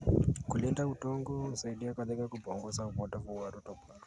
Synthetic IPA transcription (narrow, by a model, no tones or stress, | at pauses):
kulɛndautɔŋɡɔn̩saiɗiakadɛkakubɔŋɡɔsauvɔndavuwaɾɔtɔpaɾɔ